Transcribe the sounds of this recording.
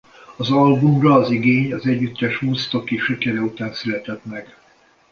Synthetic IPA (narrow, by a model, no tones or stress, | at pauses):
ɒzɒlbumrɒːziɡeːɲɒzɛɟːyt̪ːɛʃhuːst̪o̞kiʃykɛɾɛut̪aːnsylɛt̪ɛt̪mɛɡ̥